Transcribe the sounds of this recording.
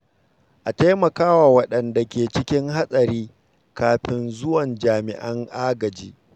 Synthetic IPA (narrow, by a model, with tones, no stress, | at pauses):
ʔa˨ta˦jmɐ˨kaː˦waː˨wɐ˦ɗɐ˨nda˨kʲeː˨t͡ʃɪ˦kʲɪ˦ŋha˦sʼɐ˨ɾiː˦ | kaː˨ɸɪ˦nzʊ˦wɐ˨nd͡ʒaː˨mɪ̰˨ʔɐ˦ŋʔaː˦ɡɐ˨d͡ʒiː˦